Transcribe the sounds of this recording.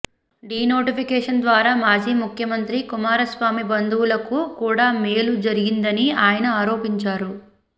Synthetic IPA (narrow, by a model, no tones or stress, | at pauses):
ɖiːno̞ːʈipʰikɛːʂɐnd̪ʋaːɾaːmaːd͡ʒiːmukʰjɐmɐnt̪ɾikumaːɾɐsʋaːmibɐnd̪uwulɐkukuːɽaːmeːlud͡ʒɐɾiɡind̪ɐniaːjɐnɐaːɾo̞ːpiɲt͡ʃaːɾu